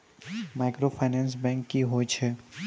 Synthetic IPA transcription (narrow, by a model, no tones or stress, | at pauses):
maːɪkɾoːpʰaːɪnɛ̃ːns̬bɛ̃ːŋkːiɦoːt͡ʃʰɛː